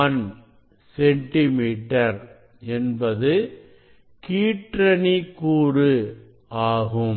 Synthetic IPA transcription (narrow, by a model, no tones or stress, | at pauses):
ɐn | sɛɳʈɪmiːʈɐɾ | ɛnbɐðɯ | kiːʈɾɐnikːuːɾɯ | aːɣɯm